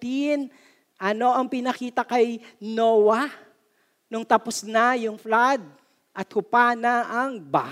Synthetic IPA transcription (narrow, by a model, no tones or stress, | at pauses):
t̪in | ʔɐno̞ʔɐŋpɪnɐkiːt̪ɐkɐjnowɐ | nʊŋt̪ɐpʊsnɐjʊŋflad̪̚ | ʔɐt̪̚hʊpanɐʔɐŋba̰